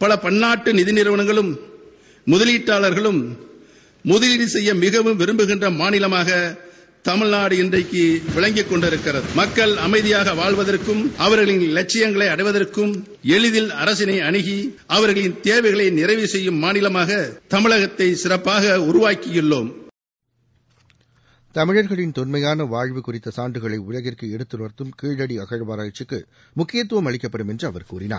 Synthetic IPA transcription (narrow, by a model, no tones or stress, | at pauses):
pɐlɐpɐnːaːʈːɯnɪðɪnɪɾʋɐɳɐŋɡɐɭɯmː | ʊðɐliːʈːaːɭɐɾɣɐɭɯmː | ʊðɪlinsɛjːɐmɪɣɐʋɯmʋɪɾɯmbɯɣɪndrɐmaːnɪlɐmaːɣɐ | t̪ɐmɪnaːɽɯɪndrɐɪkːɯʋɪɭɐŋɡɪkːɔɳɖɪɾɯkːɪrɐðɯmɐkːɐɭɐmɐɪðɪjaːɣɐʋaːɭʋɐðɐrkɯmʔɐʋɐɾɣɐɭɪnlɐt͡ʃːɪjɐŋɡɐɭɐɪɐɽɐɪʋɐðɐrkɯm | ɛɭɪðɪlɐɾɐsɪnɐɪɐɳɪɣi | ɐʋɐɾɣɐɭɪnt̪eːʋɐɪɣɐɭɐɪnɪrɐɪʋisɛjːɯmːaːnɪlɐmaːɣɐt̪ɐmɪɭɐɣɐt̪ːɐɪsɪrɐpːaːɣɐʊɾʊʋaːkɪjɪɭːoːm | t̪ɐmɪɻɐɾɣɐɭɪnt̪ɔnmɐjaːnɐʋaːɻʋɯkʊrɪt̪ːɐsaːɳɖɯɣɐɭɐɪʊɻɐɣɪrkɯɛɽɯt̪ːɯlɐɾt̪ːɯmkiːɻɐɽiɐɣɐɻʋaːɾaːjt͡ʃːɯkːɯ̰ | mʊkːɪjɐt̪ːɯʋɐmɐɭɪkːɐpːɐɽɯmɛndrɯɐʋɐɾkṵːrɪna̰ːɾ